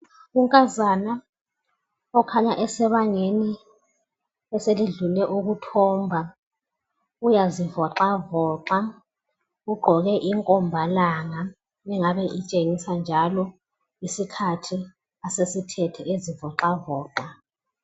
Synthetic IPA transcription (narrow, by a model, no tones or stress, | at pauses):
uŋkʼazana | ɔkʰaɲaʔɛsɛβaŋeni | ɛseliɮulɛʔuɣutʰɔːmbʱa | ujazivɔǁavɔːǃa | uɡ͡ǃʱɔɣɛʔiŋkʼɔmbʱalaŋa | ɛŋaβɛʔit͡ʃʼeŋisand͡ʒʱalɔ | isikʰatʰi | asesitʰɛtʰɛezivɔǃavɔːǃa